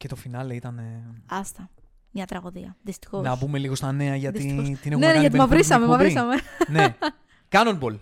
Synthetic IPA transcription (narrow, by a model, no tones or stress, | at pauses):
cet̪o̞finɐleit̪ɐneɐst̪ɐ | mɲɐt̪ɾɐɣoðiɐðist̪i̥xonɐbume̞liɣo̞st̪ɐne̞ɐʝɐt̪sit̪ine̞xnmeɐʝɐt̪mɐvɾisɐmemɐvɾisɐmene | kɐnonbol